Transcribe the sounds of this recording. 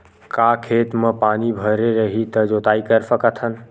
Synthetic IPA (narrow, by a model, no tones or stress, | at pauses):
kakʰet̪mepanibʱəɾeɾəɦit̪əd͡ʒot̪aikəɾsəkət̪ʰən